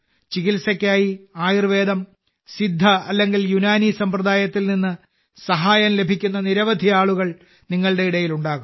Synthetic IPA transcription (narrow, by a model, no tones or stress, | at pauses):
t͡ɕiɣilsɐkʲːaːjiaːjirʋe̞ːd̪ɐm | sid̪ʱːɐɐlːe̞ŋɡiljunaːnisɐmprɐd̪aːjɐt̪ːilninːɨ | sɐɦaːjɐnle̞bʱikʲːunːɐniɾɐʋɐd̪ʱiaːɭuɣɐɭ | niŋːɐɭɽe̞iɽɐjiluɳɖaːɣum